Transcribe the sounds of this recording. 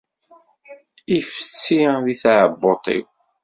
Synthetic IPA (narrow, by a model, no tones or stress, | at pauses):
ifə̥t͡sːiðiθaʕəbːot̪ˤḭw